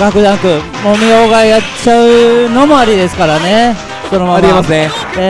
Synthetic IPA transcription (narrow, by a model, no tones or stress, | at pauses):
ɡakɯ̟d̪ãŋkɯ̟ | mo̞mʲioɡajat͡ɕaɯ̟no̞mo̞aɾʲid̪e̞sɨ̥kaɾane | sonomamɾimase | e